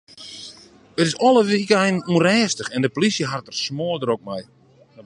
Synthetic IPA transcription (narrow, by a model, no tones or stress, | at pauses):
ətɪsɔlˠəʋikɛjnurɛːstəxɛndəpolisjəɦartərsmoːdəɾok̚mɛj